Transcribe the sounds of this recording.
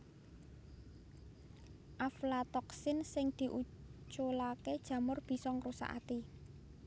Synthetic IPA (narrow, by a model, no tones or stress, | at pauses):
ʔaflat̪ɔksɪnsɪŋd̪̥i̤ʔut͡ʃolaked̥ʒ̥ä̤mʊrb̥i̤sɔŋrusa̰ʔa̰t̪i